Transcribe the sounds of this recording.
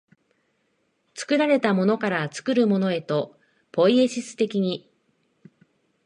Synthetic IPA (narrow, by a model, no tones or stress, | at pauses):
t͡sɨ̥kɯ̟ɾaɾe̞t̪amo̞no̞kaɾat͡sɨ̥kɯ̟ɾɯ̟mo̞no̞e̞t̪o̞ | po̞ie̞ɕisɨ̥t̪e̞kʲiɲ̟i